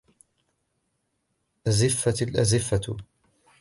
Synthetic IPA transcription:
ʔazɪfːat̪lʔa̰zɪfːat̪

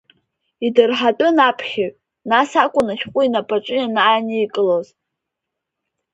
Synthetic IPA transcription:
idɨrħatʼɨnapʰχʲaɥʼ | nasakʷʼʊnaʃʲqʷʼʊinapʼat͡ʃʷʼɨjanaaniːkʼɨloz

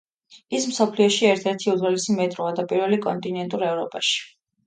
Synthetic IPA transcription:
ism̩sɔpʰliɔʃiɛɾt̪ʰɛɾt̪ʰiud̪zɛlisimɛt̪ʼɾɔad̪apʼiɾvɛlikʼɔnt̪ʼinɛnt̪ʼuɾɛvɾɔpʼaʃi̥

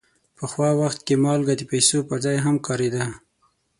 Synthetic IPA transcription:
pəxwɑwaxt̪̚kemɑlɡad̪epajsopəɾzɑjɦamkɑɾed̪a

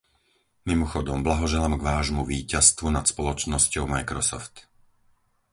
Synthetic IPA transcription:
mimɔxɔd̪ɔmblaɦɔʒɛlamɡʋaːʒmuʋiːcast̪ʋunat̪spɔlɔt͡ʃnɔscɔʊmajkɾɔsɔ̰ft̪

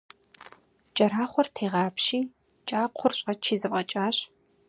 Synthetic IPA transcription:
t͡ʃʼɐɾaːχʷɔrtʰeːʁɑːpʃiː | t͡ʃʼaːqʷʰʊrɕʼɐt͡ʃʰiːzɨpʼɐt͡ʃʼaːɕ

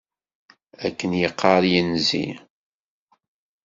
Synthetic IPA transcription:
ækːənjəqːɑɾˤjənzḭ

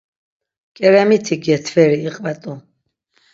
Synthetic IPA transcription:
kʼɛɾɛmit̪ʰiɡɛt̪ʰvɛɾiːqʼvɛt̪ʼu

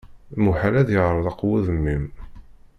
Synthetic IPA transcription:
muħalæðjəʁɾˤəðˤɑqːwuðəmːim

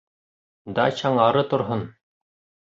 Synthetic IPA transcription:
d̪ɑ̰t͡ɕɑɴɑɾɤt̪ŏɾɦon

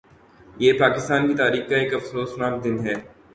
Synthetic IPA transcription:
jeːpaːkɪst̪aːnkit̪aːɾiːxkaeːkɐfsoːsnaːmd̪ɪnɦɛː

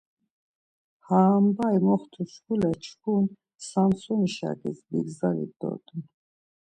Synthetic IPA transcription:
haːmbajmɔχt̪ʰuʃkulɛt͡ʃʰkʰun | sansɔniʃa̰ɡisbḭɡzalḭd̪ɔ̰d̪ʼun

